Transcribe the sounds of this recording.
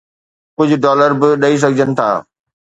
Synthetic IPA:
kʊd͡ʑʱʊɖɔːləɾbɪɗɐis̬ɐɡʱd͡ʑʱənɪ̆t̪ʰa̰ː

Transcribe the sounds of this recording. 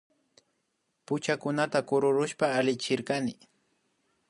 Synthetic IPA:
pʊt͡ʃakʊnat̪akʊɾʊɾʊʃpaːlɪt͡ʃɪɾkanɪ

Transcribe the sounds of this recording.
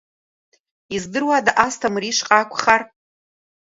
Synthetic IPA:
izdɨrwadaʔastʰamriʂqʼakʷʰʼχar

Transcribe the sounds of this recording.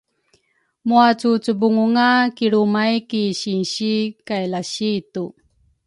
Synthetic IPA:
muat͡sut͡subuŋuŋakiɾumajkiɕinɕikajlaɕitu

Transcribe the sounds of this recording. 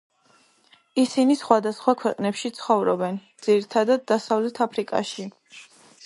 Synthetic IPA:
isinisχwad̪asχwakʰwɛqʼnɛpʃit̪sʰχɔvɾɔbɛnd̪z̥iɾit̪ʰad̪ad̪̚ːasavlɛt̪ʰapʰɾikʼa̰ʃi

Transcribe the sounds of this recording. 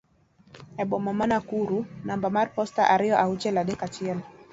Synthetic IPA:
ɛɓɔmamanakuɾunambamaɾpɔstaʔaɾijɔʔaut͡ʃɛlaɗɛkat͡ʃiɛlɔ

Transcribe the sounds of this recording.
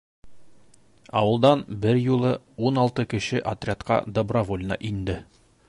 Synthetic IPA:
ɒwɤ̆lˠd̪ɑnbɘɾjulˠɤ | unɑlˠt̪ɤkɘ̆ɕɘʔɐt̪rʲɪat̪qɑ̰d̪obrɐvolʲnɑ̰ʔind̪ɘ

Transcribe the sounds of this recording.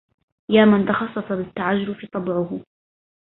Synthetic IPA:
jaːmant̪ɑxɑsˤːɑsˤɑbɪt̪ːaʕad͡ʒːʊɾʊfit̪ˤɑbʕʊhʊ

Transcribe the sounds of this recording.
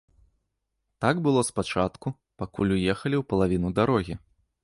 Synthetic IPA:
t̪aɡbɨlˠɔspat͡ʂat̪ku | pakulʲujɛxɐlʲiwpɐlˠavʲinud̪aɾɔɣʲi

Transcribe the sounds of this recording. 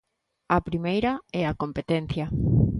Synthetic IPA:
ɐpɾimejɾɐɛakompet̪en̟θjɐ

